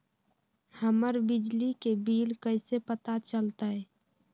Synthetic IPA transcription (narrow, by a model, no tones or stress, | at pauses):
həməɾbɪd͡ʒlikebiːlkəɪsepət̪at͡ʃəlt̪aɦɛː